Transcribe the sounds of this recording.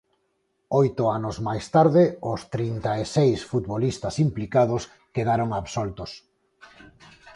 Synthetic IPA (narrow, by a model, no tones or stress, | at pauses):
ojt̪ʊanʊzmajst̪aɾðɪʊst̪ɾint̪aesejsfut̪βolist̪ɐsimplikað̞os | keðaɾoŋaβsolt̪ʊs